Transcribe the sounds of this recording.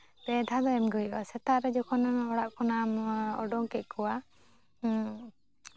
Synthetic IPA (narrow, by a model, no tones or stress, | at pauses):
p̪ɛd̪ʱad̪ɔɛmɡɔiʔwasɛt̪aɾɛd͡ʒɔkʰɔnanɔɽaʔkɔnamɔ̰ɖɔŋkɛʔ̚ˀkʰɔwa